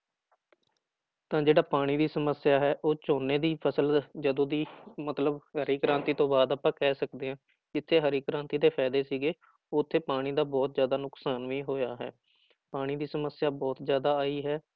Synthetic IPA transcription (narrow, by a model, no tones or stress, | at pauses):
t̪ãːd͡ʒeːɽaːpaːɽ̃iːd̪iːsəməsɪjaːɦɛːʔoːt͡ʃoːneːd̪iːpʰəsəld͡ʒəd̪õːd̪iːmət̪ləbɦəɾiːkɾãːnt̪iːt̪õːbaːd̪aːpãːkɛːsəkd̪eːɦãː | kɪt̪ʰːeːɦəɾiːkɾãːnt̪iːd̪eːpʰɛːd̪eːsiːɡeː | ʊt̪ʰːeːpaːɽ̃iːd̪aːbɔːt̪zjaːd̪aːnʊksaːnʋiːɦoːjaːɦɛ̰ː | paːɽ̃iːd̪iːsəməsjaːbɔːt̪zjaːd̪aːaːiːɦɛː